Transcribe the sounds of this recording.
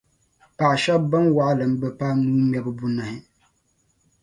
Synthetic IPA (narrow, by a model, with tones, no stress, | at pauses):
pa˨ʃɛ˦bbɨ˦nwa˦ʔlɨ˨m̩˦bɨ˦pa˦nuː˦mjɛ˦bɨ˦bu˦na˨hɪ˦